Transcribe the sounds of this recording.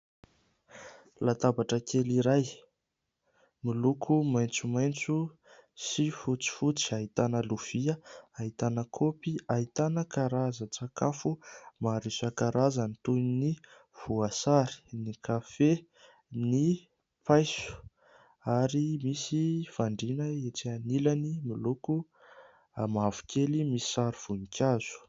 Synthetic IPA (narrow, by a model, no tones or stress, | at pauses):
lat̪abaʈ͡ʂəkʰeliɾaj | milukʰumajnt͡sumajnt͡su | sifut͡si̥fut͡si̥aɦit̪anəluv̥iəaɦit̪anəkʰopiaɦit̪anəkaɾazət͡sakafumaɾisakaɾʔazanit̪unni | v̥uasaɾi̥nikafe | ni | pajsu̥ | aɾimisifaɳɖ͡ʐinəet͡sianilanimiluku | amavu̥kʰelimisi̥saɾiv̥unikʲʰaz̥u̥